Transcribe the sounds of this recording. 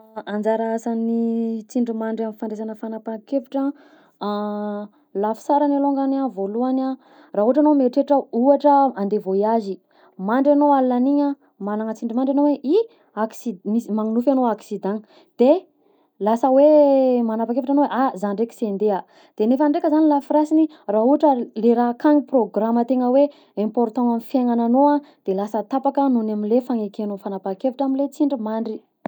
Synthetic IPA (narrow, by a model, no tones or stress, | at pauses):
and͡zaɾaasanit͡siɳɖ͡ʐimaɳɖ͡ʐaminfaɳɖ͡ʐezanəfanapaŋkefi̥ʈ͡ʂə | lafi̥saɾanaloŋɡanavoluana | raɦuɦaʈ͡ʂanomeʈ͡ʂeʈ͡ʂəuaʈ͡ʂəand̪evoiazi | maɳɖ͡ʐanowallaniɲa | malaŋət͡siɳɖ͡ʐimaɳɖ͡ʐanoweʔi | aksimismaŋunufanoaksid̪ãŋ | d̪̥e | lasəwemanapakeviʈ͡ʂanoweʔazanɳɖ͡ʐeki̥send̪ea | d̪̥enefaɳɖ͡ʐekəzanilafiɾasini | raɦuaʈ͡ʂəleɾakaŋiproɡramət̪eŋəwe | ɛ̃mpoɾt̪ãŋamifjaŋananoãd̪̥elasət̪apakənunamilefaŋekenofanapakeviʈ͡ʂaminlet͡siɳɖ͡ʐimaɳɖ͡ʐi